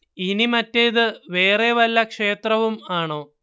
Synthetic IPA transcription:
inimɐtːeðɨʋe̞ːreʋɐlːɐkʂe̞ːt̪rɐʋumaːɳo̞ː

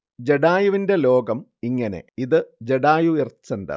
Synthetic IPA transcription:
d͡ʑeɽaːjuʋinde̞lo̞ːɡɐmiŋːɐne̞̰iðɨd͡ʑeɽaːjuirt͡ɕːɐndɐ̰

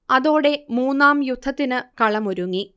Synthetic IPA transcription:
ɐðo̞ːɽe̞muːnːaːmjud̪ʱːɐt̪ːinɨkɐɭɐmuɾuŋːi

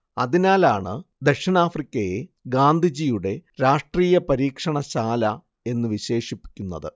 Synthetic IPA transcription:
ɐðinaːlaːɳɨd̪eʂɐɳaːfrikʲːɐjeɡaːnd̪ʱid͡ʑijuɽe̞ɾaːʂʈriːjɐpɐɾiːkʂɐɳɐɕaːlɐ | e̞nːɨʋiɕe̞ːʂipːi̥kʲːunːɐðɨ

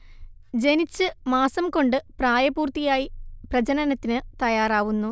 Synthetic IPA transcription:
d͡ʑe̞nit͡ɕːɨmaːsɐmko̞ɳɖɨpraːjɐbuːrt̪ijaːjiprɐd͡ʑɐnɐnɐt̪ːinɨt̪ɐjaːraːʋunːu

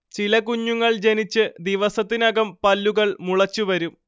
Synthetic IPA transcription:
t͡ɕilɐkuɲːuŋːɐɭd͡ʑe̞nit͡ɕːɨd̪iʋɐsɐt̪ːinɐɣɐmpɐlːuɣɐɭmuɭɐt͡ɕːuʋɐɾum

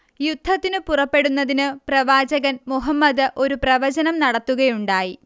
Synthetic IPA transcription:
jud̪̥ʱːɐt̪ːinɨpurɐpːe̞ɽunːɐðinɨprɐʋaːd͡ʑɐɣɐnmuɦɐmːɐd̪ɨʔo̞ɾuprɐʋɐd͡ʑɐnɐmnɐɽɐt̪ːuɣɐjuɳɖaːji

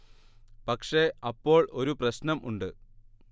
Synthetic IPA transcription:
pɐkʂe̞ɐpːo̞ːɭo̞ɾuprɐɕnɐmʔṵɳɖɨ

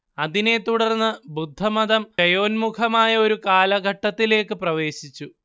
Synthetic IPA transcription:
ɐðine̞t̪uɽɐrnːɨbud̪ʱːɐmɐðɐmɐjo̞ːnmukʰɐmaːjɐo̞ɾukaːlɐɡʱɐʈːɐt̪ːile̞ːkːɨprɐʋe̞ːɕit͡ɕːu

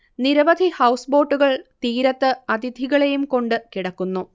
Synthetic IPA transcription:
niɾɐʋɐd̪ʱihɐwsbo̞ːʈːuɣɐɭt̪iːɾɐt̪ːɨɐd̪ʱid̪ʱiɣɐɭe̞jumko̞ɳɖɨkiɽɐkːunːu

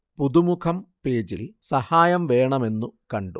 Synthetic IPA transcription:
puðumukʰɐmpe̞ːd͡ʑilsɐhaːjɐmʋe̞ːɳɐme̞nːukɐɳɖu

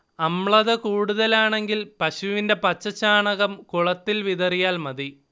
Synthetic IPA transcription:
ɐmɭɐðɐkuːɽuðɐlaːɳe̞ŋɡilpɐɕuʋinde̞pɐt͡ɕːɐt͡ɕaːɳɐɣɐmkuɭɐt̪ːilʋiðɐrijaːlmɐði

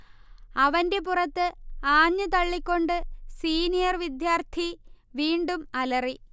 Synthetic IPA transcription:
ɐʋɐnde̞purɐt̪ːɨaːɲːut̪ɐɭːikʲːo̞ɳɖɨsiːnijɐrʋid̪jaːrt̪ʰi | ʋiːɳɖumɐlɐri

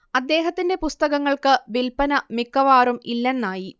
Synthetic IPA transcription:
ɐd̪ːe̞ːɦɐt̪ːinde̞pust̪ɐɣɐŋːɐɭkɨʋilpɐnɐmikːɐʋaːɾumilːɐnːaːji

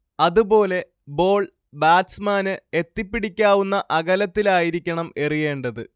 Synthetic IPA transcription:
ɐðubo̞ːle̞ | bo̞ːɭ | baːsmaːnɨet̪ːipːiɽikʲːaːʋunːɐʔɐɣɐlɐt̪ːilaːjiɾikʲːɐɳɐme̞rije̞ːɳɖɐðɨ

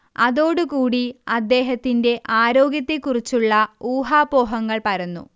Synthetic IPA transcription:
ɐðo̞ːɽukuːɽiɐd̪ːe̞ːɦɐt̪ːinde̞ʔaːɾo̞ːɡjɐt̪ːikurit͡ɕːuɭːɐuːɦaːbo̞ːɦɐŋːɐɭpɐɾɐnːṵ

